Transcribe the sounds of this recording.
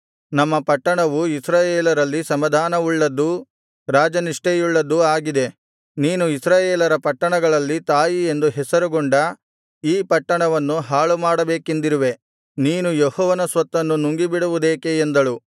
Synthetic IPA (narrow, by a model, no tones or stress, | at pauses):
nɐmːɐpɐʈːɐɳɐʋuisɾaːjeːlɐɾɐlːisɐmɐd̪ʱaːnɐuɭːɐd̪ːu | ɾaːd͡ʒɐniʂʈejuɭːɐd̪ːuaːɡid̪e̞ | niːnuisɾaːjeːlɐɾɐpɐʈːɐɳɐɡɐɭɐlːit̪aːjie̞nd̪uɦɛsɐɾuɡoɳɖɐ | iːpɐʈːɐɳɐʋɐnːuɦaːɭumaːɽɐbeːkend̪iɾuʋe̞ | niːnujɔhɔːʋɐnɐsʋɐt̪ːɐnːunuŋɡibiɽuʋud̪eːkeːnd̪ɐɭu